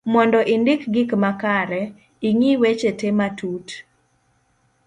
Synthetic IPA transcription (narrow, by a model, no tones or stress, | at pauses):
mɔndɔʔindɪkɡɪkmakaɾɛ | iŋiwet͡ʃetematut